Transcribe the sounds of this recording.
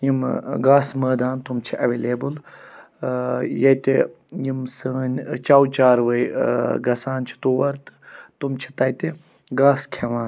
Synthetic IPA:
jimɡaːsməːd̪aːnt̪umt͡ʃʰiʔɐʋeːleːbul | jɐt̪e | jimsəːnʲt͡ʃawt͡ʃaːɾʋəjɡɐsaːnt͡ʃʰi̥t̪uːʋɐɾt̪ɨ̥t̪umt͡ʃʰi̥t̪ɐjt̪e | ɡaːskʰeʋãːn

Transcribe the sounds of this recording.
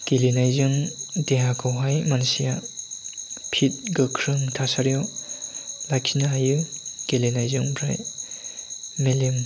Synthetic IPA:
kelinajzɯŋdeɦakʰɯwɦajmansija | pʰit̚ɡɯkʰɾɯŋtʰasaɾijɔ | lajkʰinajɯkelinajzɯŋbɾa̰j | melim

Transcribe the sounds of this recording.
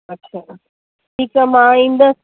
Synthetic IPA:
ɐtːɕʰaː | ʈʰiːkamãːĩːn̆d̪a

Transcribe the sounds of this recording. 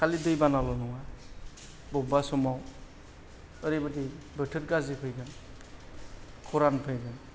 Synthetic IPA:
kʰalidɯjbanalɔnɔŋa | bɔbasɔmaw | əɾibɯdi | bɯtʰɯɾkazipʰɯjɡɯn | kʰɔɾanpʰɯjɡɯn

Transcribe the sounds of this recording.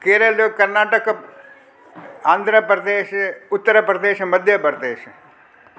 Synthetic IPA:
keːɾəloːkəɾnaːʈək | aːnd̪ʱɾəpɾəd̪eːʃʊt̪ːəɾəpɾəd̪eːʃməd̪ʱjəpɾəd̪eːʃ

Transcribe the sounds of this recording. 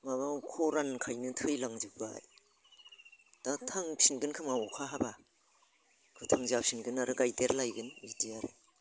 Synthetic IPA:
mabawkʰɔɾankʰajnɯtʰɯjlaŋzɯk̚ba̰j | tatʰaŋsʰinɡɯnkʰɯmawɔkʰaɦaba | kʰɯtʰaŋzap̚sinɡɯnaɾɯɡajdeɾlajɡɯnidiaɾɯ̰

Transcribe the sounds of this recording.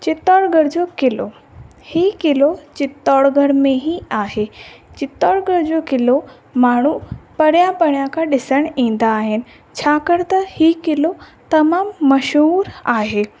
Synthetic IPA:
t͡ɕɪt̪ɔːɽɡʱɐɽd͡ʑoːkɪlo | hiːkɪlot͡ɕɪt̪ɔːɽɡʱəɽmẽɦiaːɦet͡ɕɪt̪ɔːɽɡʱəɽd͡ʑoːkɪlo | maːɳ̤upɐɽijãpɐɽijãkʰãːɗɪsəɽ̃ĩːn̆d̪aːɦɪnɪ̆ | t͡ɕʰaːkɐɽt̪ɐhiːkɪlot̪ɐmaːmːɐʃɦuːɾaːɦeː

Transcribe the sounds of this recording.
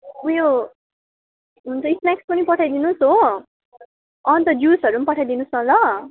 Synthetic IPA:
wejo | ɦunt͡sʌisnakspʌnipʌʈʰajd̪inusɦo | ʌnt̪ʌd͡ʒusʌɾunpʌʈʰajd̪inusʌ̃lʌ

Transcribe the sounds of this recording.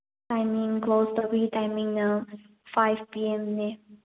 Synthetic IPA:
ãɪmɪ̃ŋkʰloʊsdəɹitãɪmɪ̃ŋnã | faɪv̥pʰiɛ̃mnɛ

